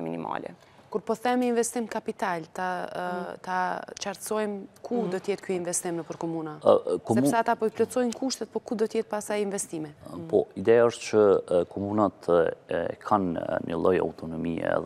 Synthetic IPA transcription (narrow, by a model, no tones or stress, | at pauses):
minḭma̰lɛ̰ | kuɾpɔθɛməinvɛst̪imkapit̪alt̪a | t̪at͡ʃaɾt̪sɔjmkʰud̪ɔt̪əjɛt̪kyinvɛst̪imnəpəɾkɔmunakɔɛssat̪apɔiplɔt͡sɔjnkuʃt̪ɛt̪̚pɔkud̪ɔt̪əjɛt̪̚pasajinvɛst̪imɛpɔ̰id̪ɛjaəʃt̪t͡ʃəkʰɔmunat̪ɛkʰannə̰lˠɔja̰wt̪ɔnɔmiɛ̰